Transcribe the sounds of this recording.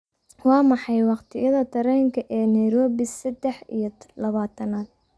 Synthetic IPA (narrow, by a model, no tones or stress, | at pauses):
wɑːmɑħɑjwɑqt̪ʰɪjɐðɐt̪ʰɐɾɛːŋkʰɐʔɛːnɐjɾɔːβɪsɛd̪ɛħḭjɔlɐβaːt̪ʰɐnaːd̪